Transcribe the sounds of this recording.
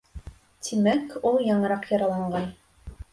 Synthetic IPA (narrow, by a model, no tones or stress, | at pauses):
t̪ʰimækulˠjɑɴɤ̆ɾɑqjɑɾɑlˠɑɴɢɑn